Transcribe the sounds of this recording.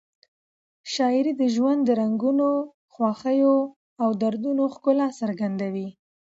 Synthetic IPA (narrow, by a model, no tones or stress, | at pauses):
ʃɑɪɾid̪əʒwand̪ːəɾaŋɡuno | xwɑxəjo | awd̪aɾd̪unoxkʊlasəɾɡand̪awi